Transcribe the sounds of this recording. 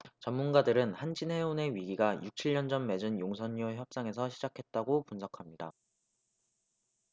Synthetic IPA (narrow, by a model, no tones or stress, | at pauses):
t͡ɕʌmmːunɡadɯɾɯnhand͡ʑʰinɦe̞one̞ɥiɡiɡajuk̚t͡ɕʰiɭːʌnd͡ʑʌmme̞d͡ʑɯnjoŋsʰʌɲːuçjʌp̚s͈aŋe̞s̬ʰʌɕʰid͡ʑakʰe̞t̚t͈aɡopunsʰʌkʰamɲida